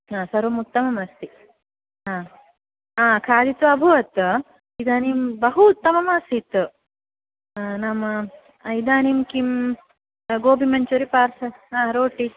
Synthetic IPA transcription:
aːsɐɾumut̪ːɐmɐmɐst̪i | ãː | aːkʰaːd̪it̪ʋɐɐbʱuʋɐt̪ | id̪aːnimbɐɦuːt̪ːɐmɐmaːsit̪ | namɐ | ɐjd̪aːnimkim | ɡoːbʱimɐɲt͡ʃuɾipaːɾsɐãːɾoːʈi

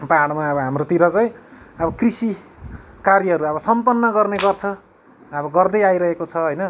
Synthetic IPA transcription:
paɽmaʌbʌɦamrot̪iɾʌt͡sʌj̃ʌbʌkrisi | karjʌɦʌɾuʌβʌsʌmpʌnːʌɡʌrneɡʌrt͡sʰʌ | ʌbʌɡʌrd̪ʌjajɾʌɦekot͡sʰʌɦʌjnʌ

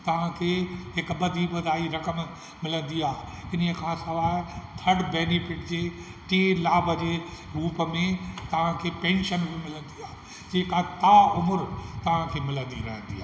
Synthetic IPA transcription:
t̪ɐʋ̤ãkʰeːɦɪkbɐd̪ʱibɐd̪ʱaːiɾɐkəm | mɪlə̃nd̪iaːɦɪnəkʰãːsɐʋaːɦɪt̪ʰɐɽbeːnifɪʈd͡ʑeː | ʈeːlaːbʱəd͡ʑeː | ɾuːpəmẽt̪ɐʋ̤ãkʰeːpẽːnʃənbʱĩmɪlə̃nd̪iaː | d͡ʑeːkat̪aːʊmʊɾt̪ɐʋ̤ãkʰeːmɪlə̃nd̪iɾɐ̰ɦə̃nd̪iaː

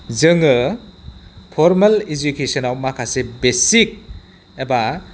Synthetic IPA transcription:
zɯŋɯ | pʰɔɾmɐled͡ʒukesɔnawmakʰasebesik̚ | eba

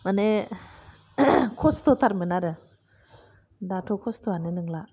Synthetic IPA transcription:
ane | kʰost̪ʰot̪ʰaɾ̚mɯnadɯ | datʰokʰost̪ʰoanenɯŋlaʔ

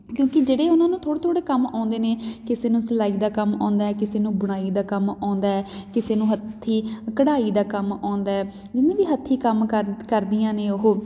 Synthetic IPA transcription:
kjõːkɪd͡ʒeːɽeːʊnãːnũːt̪ʰoːɽeːt̪ʰoːɽeːkəmãːnd̪eːneːkɪseːnũːsəlaːiːd̪aːkəmã̰ːnd̪aːɛːkɪseːnũːbʊɽ̃aːiːd̪aːkəmãːnd̪aːɛːkɪseːnũːɦət̪ʰːiːkəɽaːiːd̪aːkəmãːnd̪aːɦɛː | d͡ʒɪnẽːʋiːɦət̪ʰːiːkəmkkəɾd̪ijãːneːʊɦoː

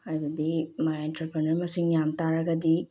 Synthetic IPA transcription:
ajbɐd̪imajentɾɐpɾenɐɾmɐsiŋjamtaɾɐɡɐdi

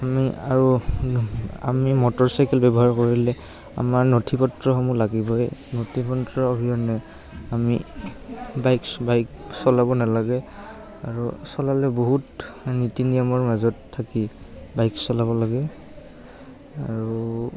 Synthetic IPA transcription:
amiaɹu | a̰mimɔtɔɹsajkɛlbɛbɔɦaɹkoɹilɛ | a̰maɹnotʰipɔtɹɔxɔmulaɡibɔjnotʰipɔntɹɔobʱiɔnɛ | amḭ | bajkbajksɔlabɔnalaɡɛ | aɹusɔlalɛboɦutnitinijɔmɔɹmazɔtʰːakibajksɔlabɔlaɡɛ | aɹu

